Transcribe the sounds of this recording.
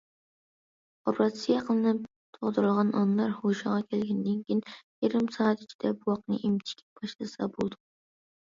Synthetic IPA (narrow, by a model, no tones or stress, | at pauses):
opɾɑt̪sɨjɑqəlˠɨnɨp | t̪ʰoʁd̪ɨɾɨlˠʁɑnɑnlˠɑɾhoʃɑʁɑkʲʰɛlɡʲɛnd̪ɪnkʲʰijnjiɾɪmsɑːt̪i̥t͡ʃʰi̥d̪̥ɛbuwɑqnɨ̰ʔimt͡ʃ̪ʰi̥kʲʰɛ̥bɑʃlˠɨsɑ̰bolˠd̪u